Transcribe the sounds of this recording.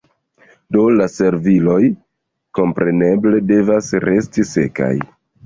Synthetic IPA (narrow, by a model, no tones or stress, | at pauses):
do̞lase̞ɾvilo̞j | ko̞mpɾe̞ne̞ble̞de̞vasɾe̞stise̞̰ka̰j